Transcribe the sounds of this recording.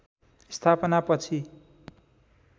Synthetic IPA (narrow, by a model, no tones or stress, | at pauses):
st̪ʰapʌnapʌt͡sʰi